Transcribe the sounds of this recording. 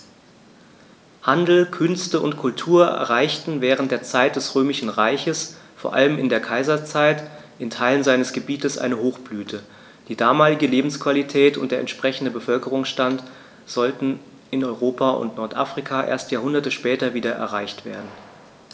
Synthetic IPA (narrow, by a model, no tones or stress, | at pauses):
handl̩kʰʏnstəʊ̰ntkʰʊltʰuːɐʔɛ̰ɐʁaɪçtn̩vɛːʁ̞ən̩t̚d̥eːɐt͡saɪt̚d̥ɛsʁøːmɪʃn̩ʁaɪçəsfoːɐʔa̰ləmɪndeːɐkʰaɪzɐt͡saɪt | ʔɪntʰaɪlənzaɪnəsɡ̥əbiːtəsʔa̰ɪnəhoːxb̥lyːtʰə | d̥iːdaːmaːlɪɡəleːbm̩skv̥alitʰɛːtʊ̰nt̚d̥eːɐɛ̰ntʃpʁ̥ɛçn̩dəbəfœlkəʁ̞ʊŋsʃtant | z̥ɔltn̩ | ɪnɔʏʁoːpʰaʔʊ̰ntnɔɐtʔaːfʁ̥ikʰaːʔḛːɐstjaːɐhʊndɐtəʃpɛːtɐviːdɐʔɛ̰ɐʁaɪçtv̥ḛːɐdn̩